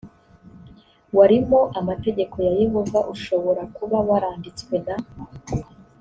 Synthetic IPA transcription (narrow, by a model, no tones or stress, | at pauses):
waɾimoʔamate̞ɟe̞ko̞jaje̞ɦo̞vaʔuʃo̞βo̞ɾakuβawaɾaːndit͡skwe̞na